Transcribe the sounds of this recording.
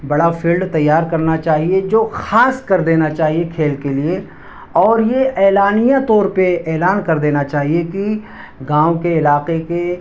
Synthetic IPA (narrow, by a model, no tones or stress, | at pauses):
bɐɽafʰiːlɖt̪ɐjːaːɾkɐɾnat͡ʃaːɦied͡ʒoːxaːskɐɾd̪eːnat͡ʃaːɦiekʰeːlkelie | ɔːɾjeʔɛːlaːnijãt̪ɔːɾpeɛːlaːnkɐɾd̪eːnat͡ʃaːɦieki | ɡãːwkeɪlaːqeke